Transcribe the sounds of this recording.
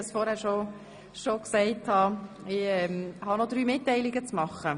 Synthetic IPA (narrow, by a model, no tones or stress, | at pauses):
əsfɔɾhæːɾʃo | ʃoksɛɪthɑ | ɪɛmhɑnod̪ɾyːmɪtːɛɪlɪɡət͡smɑχːə